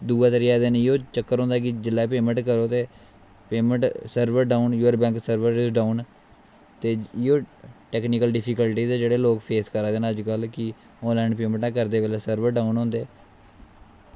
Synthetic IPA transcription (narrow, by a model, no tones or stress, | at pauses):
d̪uːaːt̪əɾɪjaːd̪enɪoːt͡ʃəkːəɾɦõːnd̪aːkɪd͡ʒɪlːɛːpeːmə̃ɳʈkəɾoːt̪eː | peːməʈsəɾbəɾɖaːunjuːəɾbɛ̃ːŋksəɾʋəɾɪsɖaːun | t̪eːɪoːʈɛːknikəlɖɪpʰikəlʈiːzɛːd͡ʒeːɽeːloːkpʰeːskəɾaːd̪eːnəd͡ʒkəlkɪ | õːlɛ̃ːɳɖpeːmə̃ɳʈãːkəɾd̪eːʋeleːsəɾʋəɾɖaːunɦõːnd̪eː